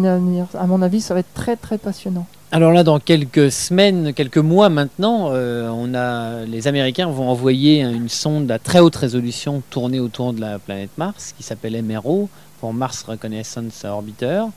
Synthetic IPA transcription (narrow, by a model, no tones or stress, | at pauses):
navnɛʁamɔ̃navisavaɛt̪t̪ːχɛt̪χɛpasjɔnɑ̃ | alɔʁlad̪ɑ̃kʲɛlkəsəmɛnkʲɛlkəmwamɛ̃t̪nɑ̃øɔ̃nalezameʁikʲɛ̃vɔ̃ɑ̃vwajeɛ̃ynsɔ̃d̪əlat̪χɛot̪ʁezɔlysjɔ̃t̪uʁneot̪uʁd̪əlaplanɛt̪maʁskʲisapɛlɛmeʁo | puʁmaʁsʁəkɔnɛsɑ̃saɔʁbit̪œːʁ